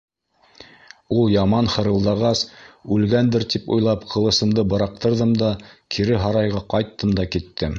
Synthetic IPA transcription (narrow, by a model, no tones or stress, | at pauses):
ulˠjɑmɑnhɤ̆ɾɤ̆lˠd̪ɑʁɑsʉlɡænd̪ɘɾt̪ipṵjlˠɑpqʰɤ̆lˠɤ̆sɤ̆md̪ɤbɤ̆ɾɑq̚t̪ɤ̆ɾðɤmd̪ɑkʰiɾɘɦɑɾɑjʁɑqɑjt̪ːɤmd̪ɑkit̪ːɘm